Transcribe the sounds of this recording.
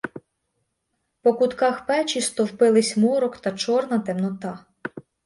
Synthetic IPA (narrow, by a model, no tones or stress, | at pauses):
pɔkʊt̪kɑxpɛt͡ʃist̪ɔwpɪlˠɪsʲmɔɾɔkt̪ɐt͡ʃɔrnɐt̪emnɔt̪ɑ